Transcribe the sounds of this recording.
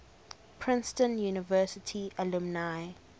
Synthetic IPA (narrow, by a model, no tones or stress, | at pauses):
pʰɹɪ̃nstə̃njuːnɪvɜːˑsɪtʰiəlumnaj